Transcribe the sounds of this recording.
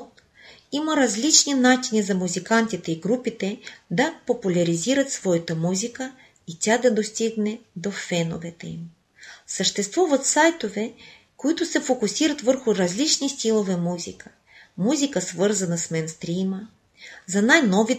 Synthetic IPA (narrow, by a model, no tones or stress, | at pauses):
iməɾɐzlit͡ʃninat͡ʃinizɐmuzikant̪it̪ɛiɡɾupit̪ɛd̪ɐpopulʲɐɾiziɾɐt̪svɔjɛt̪əmuzikə | it̪ʲad̪ɐd̪ost̪iɡnɛd̪ofɛno̰vɛt̪ɛḭm | səʃt̪ɛst̪vuvɐt̪sajt̪ovɛ | koit̪ʊsɛfokusiɾɐt̪vəɾxʊɾɐzlit͡ʃnist̪ilˠovɛmuzʲikə̥ | muzʲikəsvɤɾzɐnɐsmɛnst̪ɾimə | zɐnajnɔvi